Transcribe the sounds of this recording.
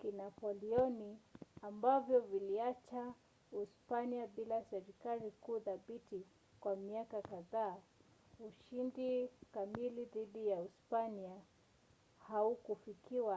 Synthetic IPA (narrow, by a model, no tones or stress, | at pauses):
kinapɔliɔniambavjɔviliat͡ʃa | uspaniaɓilasɛɾikaɾikuːðaɓiti | kwamiakakaðaː | uʃindikamiliðiɗijauspania | haukufikiwa